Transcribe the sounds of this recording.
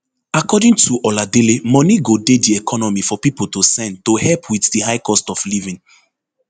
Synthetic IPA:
akɔdĩŋtʰuʔɔladelemɔ̃niɡodediɛkʰɔnɔmifɔpipoltosɛ̃ntohɛpʰwiθdihaɪkɔstɔflivĩn

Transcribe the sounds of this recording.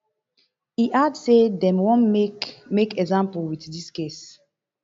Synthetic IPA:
iʔadsedɛ̃mwõnmekɛɡzãmpuwitdiskes

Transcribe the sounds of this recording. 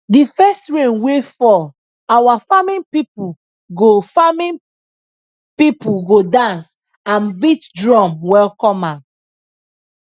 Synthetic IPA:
difɛstɹẽmwefɔ | awafamĩnpipu | ɡofamĩ | pipuɡodãns | ãnbitdɹɔ̃mwɛlkɔ̃mãm

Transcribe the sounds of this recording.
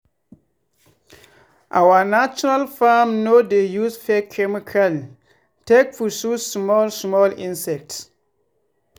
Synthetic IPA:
ʔawanat͡ʃɔnalfamnodejusfɛkʰɛmikʰal | tekfususmɔlsmɔlĩnsɛk̚ts

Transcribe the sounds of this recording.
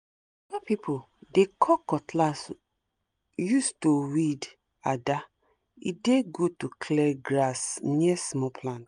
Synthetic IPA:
ɔvapipʰo | dekʰɔkɔtʰlas | justowid | ada | ḭdeɡotukʰlɛɡɾasniɛsmɔpʰlãnt

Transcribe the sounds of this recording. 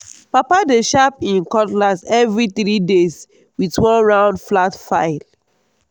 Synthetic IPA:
papadeʃapĩnkɔtlasɛvɹiθɹides | witwɔ̃nɹãʊ̃ndflatfaɪl

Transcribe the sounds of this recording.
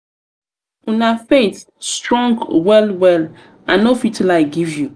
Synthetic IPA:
unafet | stɹɔ̃ŋɡwɛlwɛl | ãnːofitlaɪɡivju

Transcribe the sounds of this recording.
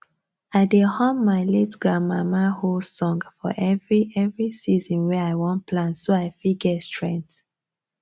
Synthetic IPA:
aɪdehɔ̃mːaɪlitɡɹamamahosɔ̃ŋɡfɔ̰ʔɛvɹiɛvɹisizɔ̃nwɛaɪwɔ̃npʰlãnsoaɪfiɡɛtstɹɛ̃nt

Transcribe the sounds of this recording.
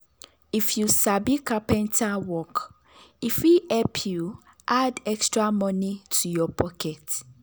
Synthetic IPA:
ifjusabikapɛ̃ntʰawɔk | ifihɛpʰju | ʔadɛkstɹamɔ̃nĩtʰujɔpʰɔkʰɛt

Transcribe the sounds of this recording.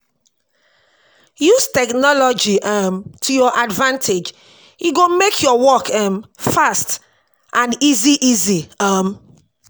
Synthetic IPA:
juztɛknɔlɔd͡ʒiʔʌmtʰujɔʔadvãntʰed͡ʒ | iɡomekʰjɔwɔkʰɛmfast | ʔãniziʔiziam

